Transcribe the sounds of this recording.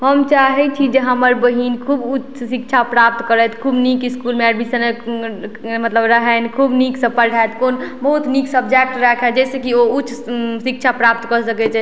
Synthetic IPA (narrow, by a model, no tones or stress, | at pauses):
ɦəmt͡ʃaɦɛt͡ʃʰid͡ʒeɦəməɾbəɦinkʰubut͡ʃʰsikt͡ʃʰapɾap̚t̪kəɾət̪kʰubnikiskulmeɛɖmisən | mət̪ləbɾəɦɛnkʰubniksəpəɾɖʱaet̪konbəɦut̪niksəbd͡ʒek̚ʈɾɛkʰɛd͡ʒɛsekioutːt͡ʃʰsik̚t͡ʃʰapɾap̚t̪kəsəkɛt͡ʃʰɛ